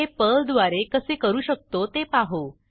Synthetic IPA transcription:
epəld̪ʋaɾekəsekəɾuːɕək̚t̪ot̪epaɦo

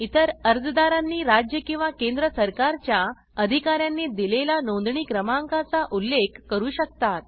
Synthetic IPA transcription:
it̪əɾəɾd͡zəd̪aɾanːiːɾad͡ʑjəkĩw̃ʋakẽnd̪ɾəsəɾkaɾt͡ɕja | əd̪ʱikaɾjanːiːd̪ilelanõnd̪ɳiːkɾəmaŋkat͡saʔulːekʰːəɾuːɕək̚t̪at̪̚

